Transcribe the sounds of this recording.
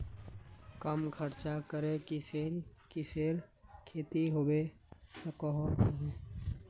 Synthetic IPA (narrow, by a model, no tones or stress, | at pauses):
kəmkʰəɾt͡ʃakəɾekisekɪseːɾkʰeːt̪iɦoːbe | səkɔɦe